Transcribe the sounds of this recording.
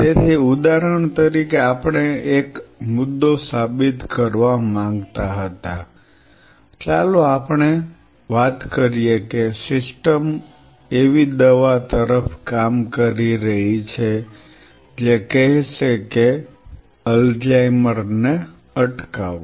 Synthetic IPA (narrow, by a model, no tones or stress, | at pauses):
t̪et̪ʰiud̪aɾəɳ̃t̪əɾikeapəɳ̃eekmʊd̪ːosabit̪kəɾʋamãŋɡt̪aɦət̪a | t͡ʃalõapɳ̃e | ʋat̪kəɾijekesɪsʈəm | eʋid̪əʋat̪əɾəfʰkamkəɾiɾəɦit͡ʃʰe | d͡ʒekəɦʃeke | əld͡ʒajməɾne | əʈkaʋo